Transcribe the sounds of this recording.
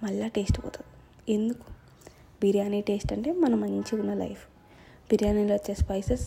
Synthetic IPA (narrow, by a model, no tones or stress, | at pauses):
mɐɭːaːʈe̞ːsʈpɔ̰ːt̪ud̪i | end̪uku̥ | biɾjaːniʈeːsʈɐɳʈe̞ːmɐnɐmɐɲt͡ʃiunːɐlɐ̰jpʰ | b̥iɾjaːniloːt͡ʃːespɐjses